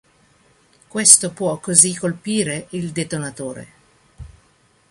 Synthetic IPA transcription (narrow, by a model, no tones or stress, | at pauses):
kwest̪opwɔkːozikːolpiːɾeild̪et̪onat̪oːɾḛ